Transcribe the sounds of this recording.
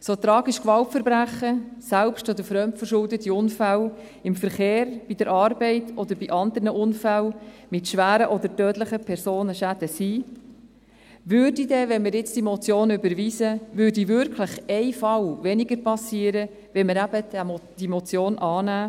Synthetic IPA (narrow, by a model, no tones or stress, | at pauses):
sot̪ɾɑːɡiʃkʋɑltfəɾbɾæχəsælpʃtɔd̪əfɾœmtfəɾʃʊldətiʊnfæl | ɪmfəɾχeːɾb̥id̥əɾʔɑrbɛɪtʰɔd̪əɾbiʔɑnd̪əɾnəʔʊnfælmɪtʃʋæːɾəʔɔd̪əɾtœːtləχəpʰɛɾsoːnəʃæd̥̪əsiː | ʋʏɾdidɛʋɛnməɾjɪt͡sd̥imɔt͡sjoːnʏbəɾʋiːzəvʏːɾdivʏɾkʰləχɛɪfɑlvɛnɪɡəɾpɑsiːəɾə | ʋɛnməɾæb̥əd̥̪d̥imɔt͡sjoːnʔɑːnæː